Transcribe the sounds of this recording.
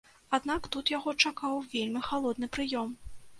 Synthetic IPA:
ad̪nakt̪ut̪jaɣɔt͡ʂakawvʲelʲmʲixalˠɔd̪nɨpɾɨjɔm

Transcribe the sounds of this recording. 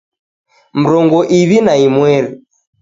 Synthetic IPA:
m̩ɾɔŋɡɔʔiβinaimwɛɾi

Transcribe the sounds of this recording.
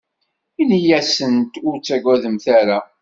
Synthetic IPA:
inijæsənt̪ʊɾt͡sːæɡʷwæðəmθæɾa

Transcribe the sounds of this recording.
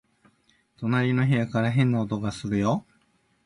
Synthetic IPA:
t̪o̞naɾʲino̞çijakaɾaɦẽ̞nːaot̪o̞ɡasɨɾɯ̟jo̞

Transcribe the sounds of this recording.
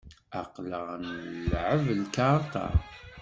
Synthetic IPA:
ɑqləʁnlʕəvlkɑɾˤt̪ɑ̰

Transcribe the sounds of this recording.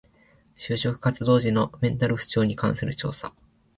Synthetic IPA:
ɕɨːɕo̞kɯ̟̥kat͡sɨd̪o̞ːʑino̞mẽ̞nt̪aɾɯ̟ɸɯ̥t͡ɕo̞ːɲ̟ikãɰ̃sɨɾɯ̟t͡ɕo̞̰ːsa̰

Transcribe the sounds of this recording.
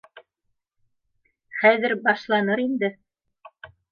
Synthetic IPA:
χæðɘɾbɑʃlˠɑnɤɾind̪ɘ

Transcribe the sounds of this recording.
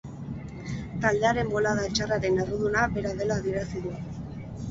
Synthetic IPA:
t̪ald̪e̞aɾe̞mbo̞laðaet͡ʃaraɾeneruðunaβe̞ɾaðe̞laːðie̞ɾasiðu

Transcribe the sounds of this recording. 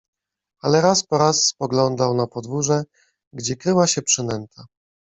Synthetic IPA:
alɛɾaspɔɾasːpɔɡlɔnd̪awnapɔd̪vuʐɛ | ɡd͡ʑɛkɾɘwaɕɛpʂɘnɛnt̪ʰa

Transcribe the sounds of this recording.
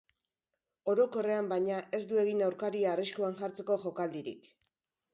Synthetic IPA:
o̞ɾo̞ko̞re̞ambajɲaʔe̞zd̪ue̞ɣinawɾkaɾiaːriʃkuaŋʝaɾt͡se̞ko̞ʝo̞kald̪iɾḭk

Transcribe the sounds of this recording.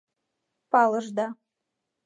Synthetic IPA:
pɑlɤʒd̪ɑ

